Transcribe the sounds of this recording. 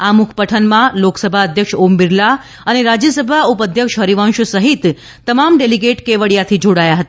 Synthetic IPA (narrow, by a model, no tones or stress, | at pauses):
amukʰpəʈʰənmãloksəbʱaəd̪ʱjəkʃombiɾla | əneɾad͡ʒjəsəbʱaupəd̪ʱjəkʃɦəɾiʋãʃsəɦit̪ | t̪ːəmamɖeliɡeʈkeʋəɽjat̪ʰid͡ʒoɽajaɦət̪aa